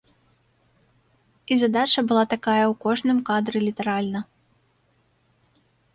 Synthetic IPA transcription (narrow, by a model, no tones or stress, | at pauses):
izad̪at͡ʂɐbɨlˠat̪akajɐwkɔʐnɨmkad̪ɾɨlʲit̪ɛɾalʲnɐ